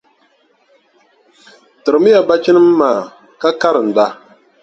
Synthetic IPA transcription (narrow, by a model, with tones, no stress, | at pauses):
tɨ˨ɾɨ˨mi˦ja˨ba˦t͡ʃi˦nɨ˦m˦maː˨ | ka˦ka˦ɾɨ˨n̩˨da˦